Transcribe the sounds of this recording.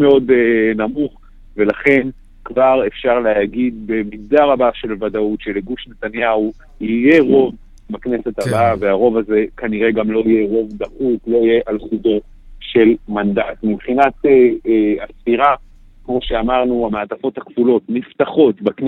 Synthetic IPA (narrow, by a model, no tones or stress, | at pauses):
meo̞d̪namuχ | ve̞laχe̞n | kvaʁe̞fʃaʁleaɡid̪̚be̞mizd̪aʁabaʃe̞lvad̪autʃeleɡuʃnet̪anjau | ije̞ʁo̞v | bakne̞set̪abaaveaʁo̞vaze̞kaniʁe̞ɡamlo̞ije̞ʁo̞vd̪aχutlo̞ije̞ʔalχudo̞ | ʃe̞lmand̪at̪mibχinat̪eastiʁa | kmo̞ʃeamaʁnuameat̪afo̞thakvulo̞t̪nift̪aχo̞t̪bakn